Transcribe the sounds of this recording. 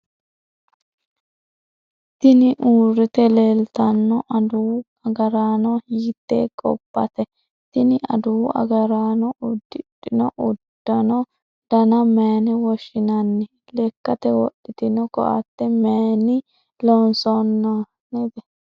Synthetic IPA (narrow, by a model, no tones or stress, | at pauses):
t̪ɪnɪʔuːɾɪt̪ɛleːlt̪ɐnːɔʔɐd̪ʊw | ɐɡɐɾaːnɔhjiːt̪ːḛːkʼɔ̰bːɐt̪ɛ | t̪ɪnɪʔɐ̰d̪ʊwɐ̰ɡɐɾaːnɔʊd̪ɪtːɪnɔʔʊd̪̥ːɐnɔ | d̪̥ɐnɐmeːnɛwɔʃɪnɐnːɪ | lɛkːɐt̪ɛwɔɗɪt̪ɪnɔkɔ̰ʔɐ̰t̪ːɛmeːnɪ | lɔnsɔnːɔ | nid̪ɛ